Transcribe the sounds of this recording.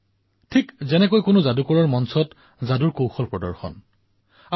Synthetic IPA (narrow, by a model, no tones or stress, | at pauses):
tʰikzɛnɛkojkʊnozadukɔɹɔɹmɔnsɔt | zaduɹkowxɔlpɹɔdɔ̰ɹxɔ̰n | a